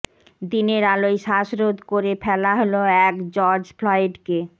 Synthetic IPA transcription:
d̪ineɾalojʃaʃɾod̪koɾefʰɛlaɦoloɛkd͡ʑɔɾd͡ʑflɔeɖke

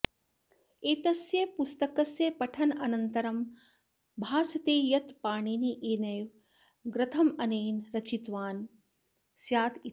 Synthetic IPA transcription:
eːt̪ɐsjɐpust̪ɐkɐsjɐpɐʈʰɐnɐnɐnt̪ɐɾɐm | bʱaːsɐt̪eːjɐt̪paːɳiːniʔeːnɐjʋ | ɡɾɨt̪ʰɐmɐneːnɾɐt͡ʃit̪ʋaːn | sjaːt̪i

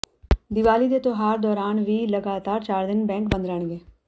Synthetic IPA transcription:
d̪ɪʋaːliːd̪eːt̪õːɦaːɾd̪ɔːɾaːnʋiːləɡaːt̪aːɾt͡ʃaːɾd̪ɪnbɛ̃ːŋkbə̃nd̪ɾɛːɳɡeː

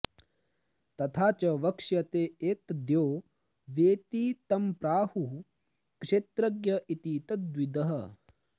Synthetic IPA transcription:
t̪ɐt̪ʰaːt͡ʃɐʋɐkʂjɐt̪eːeːt̪d̪joː | ʋeːt̪it̪ɐmpɾaːhu | kʂeːt̪ɾɐɡjɐʔit̪iːt̪ɐt̪wid̪ɐɦɐ

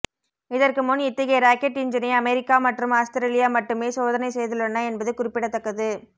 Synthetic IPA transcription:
ɪðɐrkɯmʊnɪt̪ːɐɣɐɾaːkɛʈːɪɲd͡ʒɐnɐɐmɛɾɪkːaːmɐʈrɯmaːst̪ɐɾelɪjaːmɐʈːɯmeːsoːðɐnɐɪsɛjðɯlɔnːɐɛnbɐðɯkʊrɪpːɪɽɐt̪ːɐkːɐðɯ

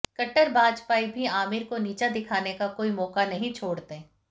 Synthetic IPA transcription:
kɐʈːəɾbaːd͡ʒpaːibʱiaːmɪɾkoniːt͡ʃad̪ɪkʰaːnekakoːimɔːkanɐɦĩt͡ʃʰoːɽt̪e

